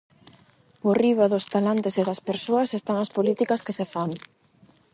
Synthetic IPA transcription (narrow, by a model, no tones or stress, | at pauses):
poriβɐðʊst̪alant̪eseðɐspeɾsoɐsest̪aŋɐspolit̪ikɐskesefaŋ